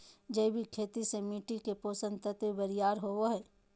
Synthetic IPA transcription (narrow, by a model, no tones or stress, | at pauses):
d͡ʒɐibʱikʰeːt̪isemiːʈikepoːsə̃nt̪ət̪webɐɾijaːɾɦoːwoɦɛː